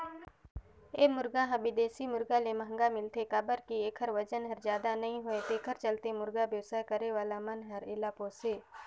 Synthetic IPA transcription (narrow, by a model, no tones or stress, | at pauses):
eːmʊɾɡãɦəbɪd̪eːsimʊɾɡalemə̃ɦə̃ŋɡamɪlt̪ekabəɾkieːkʰəɾʋəd͡ʒənɦəɾzjaːd̪anɐɦĩɦʊet̪eːkʰəɾt͡ʃəlt̪emʊɾɡabjəʋsaːkəɾeʋaːlamənɦəɾelaːpoːseː